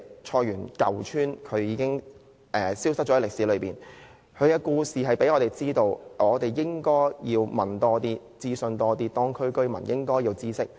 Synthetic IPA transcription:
t͡ʃʰɔː˧ɥyː˨˩nkɐ˨wt͡ʃʰyː˥nkʰɵ˨˧ɥjiː˨˧kɪ˥ŋ | ʔɛː˨˩siː˥wsɐ˥t̚t͡ʃɔ˧˥lɪ˨k̚siː˨˥lɵ˨˧ɥpiː˨˩n | kʰɵ˨˧ɥjɐ˧kuː˧siː˨ɦɐ˨jpe˨˥jŋɔː˨˧t̪e˨˩jt͡siː˥t̪o˧wɔː˨˧t̪e˨jːɪ˥ŋkɔː˥jjiː˧wmɐ˨˩nt̪ɔː˥t̪iː˥ | t͡siː˥sɵ˨˧nt̪ɔː˧t̪iː˥t̪ɔː˥ŋkʰɵ˥ɥkɵ˥ɥmɐ̰˨˩njɪ˥ŋkɔː˥jiː˧wt͡siː˥sɪ˥k̚

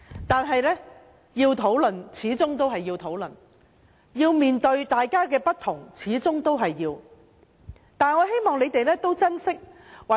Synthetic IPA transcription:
t̪aː˨nɦɐ˨jlɛː˥ | jiː˧wt̪ʰo˨˥wlɵ˨˩nt͡sʰiː˨˥t͡sʊ˥ŋt̪o˥wɦɐ˨jːiː˧wt̪ʰo˨˥wl̰n | jiː˧wmiː˨nt̪ɵ˧ɥt̪aː˨jkaː˥kɛː˧pɐ˥t̚t̪ʰʊ˨˩ŋt͡sʰiː˨˥t͡sʊ˥ŋt̪o˥wɦɐ˨jːiː˧w | t̪aː˨nŋɔː˨˧ɦe˥jmɔː˨ŋle˨˧jt̪e˨jlɛː˥t̪o˥wt͡sɐ˥nsɪ˥k̚wɐ˨

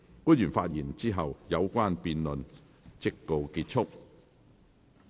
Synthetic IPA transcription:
kuː˥njyː˨˩nfaː˧t̚jiː˨˩nt͡siː˥ɦɐ˨wjɐ˨˧wkʷaː˥npiː˨˧nlɵ˨n | t͡sɪ˥k̚ːo˧wkiː˧t̚t͡ʃʰʊ˥k̚

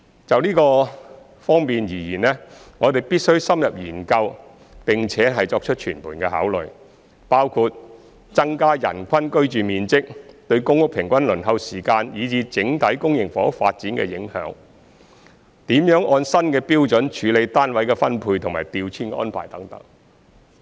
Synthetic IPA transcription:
t͡sɐ˨wliː˥kɔː˧ | fɔː˥ŋpiː˨njiː˨˩jiː˨˩nlɛː˥ | ŋɔː˨˧t̪e˨jpiː˥t̚sɵ˥ɥsɐ˥mjɐ˨p̚jyː˨˩nkɐ˧w | pɪ˨ŋt͡sʰɛː˨˥ɦɐ˨jt͡sɔː˧k̚t͡ʃʰɵ˥t̚t͡ʃʰyː˨˩npʰuː˨˩nkɛː˧ɦa̰ː˨˥wlɵ˨j | paː˥wkʰuː˧t̚ | t͡sɐ˥ŋkaː˥jɐ̰˨˩nkʷʰɐ˥nkɵ˥ɥt͡ʃyː˨miː˨nt͡sɪ˥k̚t̪ɵ˧ɥkʊ˥ŋkʊ˥k̚pʰɪ˨˩ŋkʷɐ˥nlɵ˨˩nɦɐ˧wsiː˨˩kaː˧njiː˨˧t͡siː˧t͡sɪ˨˥ŋt̪ʰɐ˨˥jkʊ˥ŋjɪ˨ŋfɔ̰˨˥k̚fa̰ː˧t̚t͡siː˨˥nkɛ̰ː˧jɪ˨˥ŋhœ̰ː˨˥ŋ | t̪iː˨˥mjœː˨˥ŋʔɔː˧nsɐ˥nkɛː˧piː˥wt͡sɵ˨˥nt͡ʃʰyː˨˥le˨˧jt̪aː˥nwɐ˨˥jkɛː˧fɐ˥npʰuː˧jt̪ʰʊ˨˩ŋmaː˨˩jt̪iː˨wt͡sʰiː˥nkːʔɔ̰ː˥npʰa̰ː˨˩jt̪ɐ˨˥ŋt̪ɐ̰˨˥ŋ

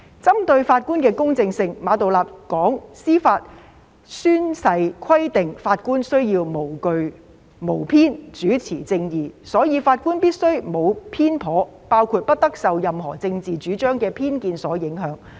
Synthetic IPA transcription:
t͡sɐ˥mt̪ɵ˧ɥfaː˧t̚kuː˥nkɛː˧kʊ˥ŋt͡sɪ˧ŋsɪ˧ŋmaː˨˧t̪̬o˨wlaː˨p̚kɔː˨˥ŋsiː˥faː˧t̚ | syː˥nsɐ˧jkʰɐ˥jt̪ɪ˨ŋfaː˧t̚kuː˥nsɵ˥ɥjiː˧wmo˨˩wkɵ˨ɥ | mo˨˩wpʰiː˥nt͡ʃyː˨˥t͡sʰiː˨˩t͡sɪ˧ŋjiː˨sɔː˨˥jiː˨˧faː˧t̚kuː˥npiː˥t̚sɵ˥ɥmo˨˧wpʰiː˥npʰɔː˨˥ | paː˥wkʰuː˧t̚pɐ˥t̚t̪ɐ˥k̚sɐ˨wjɐ˨mɦɔ̰ː˨˩t͡sɪ˧ŋt͡siː˨t͡ʃyː˨˥t͡ʃœː˥ŋkɛː˧pʰiː˥nkiː˧nsɔː˨˥jɪ˨˥ŋɦœː˨˥ŋ

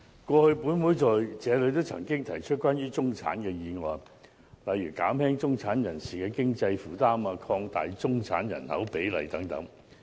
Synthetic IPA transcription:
kʷɔː˧hɵ˧ɥpuː˨˥nwuː˨˥jt͡sɔː˨˩jt͡sɛː˨˧lɵ˨˧˥t̪o˥wt͡sʰɐ̰˨˩ŋkɪ˥ŋt̪ʰɐ˨˩jt͡ʃʰɵ˥t̚kʷwaː˥njyː˥t͡sʊ˥ŋt͡sʰa̰ː˨˥nkɛː˧jiː˨˧ŋɔː˨˧j | lɐ˨jɥyː˨˩kaː˨˥mhɛː˥ŋt͡sʊ˥ŋt͡sʰaː˨˥njɐ˨˩nsiː˨˩kɛː˧kɪ˥ŋt͡sɐ˧jfuː˨˩t̪aː˥maː˧kʰɔː˧ŋt̪a̰ː˨jt͡sʊ˥ŋt͡sʰa̰ː˨˥njɐ̰˨˩nhɐ̰˨˥wpe˨˥jlɐ̰˨˩jt̪ɐ˨˥ŋt̪ɐ̰˨˥ŋ

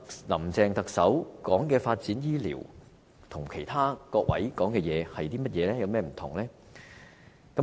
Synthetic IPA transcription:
lɐ˨˩mt͡sɛː˧ŋt̪ɐ˨k̚sɐ˨˥wkɔː˨˥ŋkɛː˧faː˧t̚t͡siː˨˥njiː˥lḭː˨˩w | t̪ʰʊ˨˩ŋkʰe˨˩jt̪ʰaː˥kɔː˧k̚wɐ̰˨˥jkɔː˨˥ŋkɛː˧jɛː˨˧hɐ˨jt̪iː˥mɐ˥t̚jɛː˨˧lɛː˥jɐ˧wmɛː˥˩m̩˨˩t̪ʰʊ˨˩ŋlɛː˥ | kɐ˨˥

